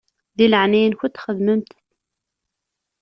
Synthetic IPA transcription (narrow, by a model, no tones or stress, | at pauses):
ðiləʕnijənçut̪xəðməmt̪